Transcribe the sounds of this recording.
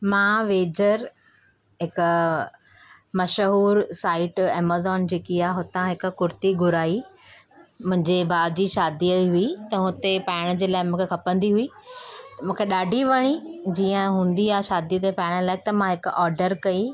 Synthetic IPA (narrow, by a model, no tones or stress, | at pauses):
mãʋeːd͡ʑəɾ | ɦɪkʊ | mɐʃɦuːɾsaːɪʈeːmaːzɔːnd͡ʑeːkiaːɦʊt̪ãɦɪkʊkʊɾt̪iɡʱʊɾaːi | mʊ̃ɦɪ̃ɲd͡ʑebaːd͡ʑiʃaːd̪iɦuit̪ɐɦʊt̪epaːɪɽ̃əd͡ʑeːlaːɪmũːkʰexʰɐpə̃nd̪iɦui | mũːkʰeɗaːɖʱiʋɐɽ̃id͡ʑiːə̃ɦũːn̆d̪iaːʃaːd̪it̪epaɦɪɽ̃laːɪt̪ɐmãɦɪkʊʔɔːɾɖəɾkɐi